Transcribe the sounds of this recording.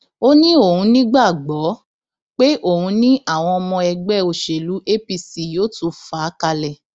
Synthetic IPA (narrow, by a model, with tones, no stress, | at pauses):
o˦nĩ˦o˦˨hũ˧nĩ˦ɡ͡ba˦˨ɡ͡bɔ˨˦ | k͡pe˦ʔo˦˨hũ˧˦nĩ˦ʔa˦˨w̃ɔ̃˧ɔ˧mɔ̃˧ɛ˧ɡ͡bɛ˦˨o˨ʃe˨lu˨˦ʔe˦pi˧si˨joː˨˦tu˧˨fa˨˦ka˧lɛ˨